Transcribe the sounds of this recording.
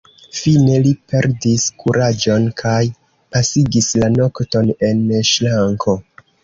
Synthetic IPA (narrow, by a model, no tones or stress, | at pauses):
fine̞lipe̞ɾdiskuɾad͡ʒo̞nkʰaj | pasiɡislano̞kto̞ne̞nʃlaŋkʰo̞